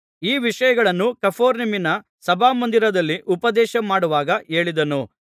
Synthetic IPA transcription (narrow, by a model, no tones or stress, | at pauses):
iːʋiʂɐjɐɡɐɭɐnːukɐpʰoːɾniminɐ | sɐbʱaːmɐnd̪iɾɐd̪ɐlːiʔupɐd̪ɛːʃɐmaːɽuʋaːɡɐe̞ːɭid̪ɐnu